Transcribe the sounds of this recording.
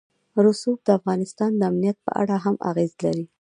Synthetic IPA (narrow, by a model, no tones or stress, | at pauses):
ɾʊsub̚d̪əafɣɑnɪst̪ɑnd̪əamnijat̪̚pə̰ʔa̰ɽaɦamʔa̰ɣezlaɾi